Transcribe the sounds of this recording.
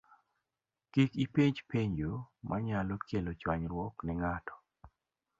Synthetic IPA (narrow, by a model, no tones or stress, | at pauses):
kikipiɲd͡ʒpeɲd͡ʒomʔaɲalɔkjelot͡ʃwaɲɾwɔknɪŋatɔ̥